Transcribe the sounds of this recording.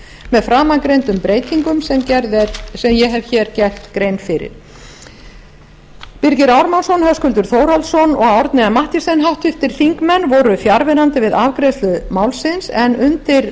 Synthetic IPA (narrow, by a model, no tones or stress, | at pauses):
mɛðfɾaːmakɾejnt̪ʏmpɾeːjt̪iŋkʏmsɛmcɛɾðɛsɛmjɛɦɛvçɛːɾcɛr̥t̪kɾejnfɪɾɪ̰ɾ̥ | piɾcɪɾawɾmansɔnhœskʏlt̪ʏɾ̥θoːwɾalsɔnɔ̰ɣawɾt̪nɪamaht̪ɪsɛnɦawht̪ʏft̪ɪɾ̥θiŋkmɛnːvɔɾʏfjaɾvɪɾant̪ɪvɪðavkɾɛslʏmawlsɪnsɛnʏnt̪ɪɾ